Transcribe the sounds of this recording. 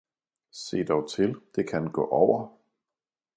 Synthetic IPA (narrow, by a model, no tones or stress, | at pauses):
se̝̰ːd̥ɒʊt͡sʰe̝ld̥e̝kʰænɡ̥ɔ̰̽ːʔɒʊ̰ɐ